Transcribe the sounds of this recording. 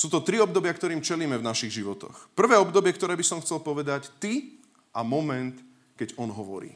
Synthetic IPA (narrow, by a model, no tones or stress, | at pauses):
suːt̪ɔt̪ɾiɔb̚d̪ɔbɪakt̪ɔɾiːmt͡ʃɛliːmɛvnaʃiɣʒiʋɔt̪ɔ̰xpr̩ʋɛːɔbd̪ɔbɪɛkt̪ɔɾɛːbisɔmxt͡sɛlpɔʋɛd̪act̪i | ʔamɔmɛnt̪ | kɛɟɔnɦɔʋɔ̰ɾḭː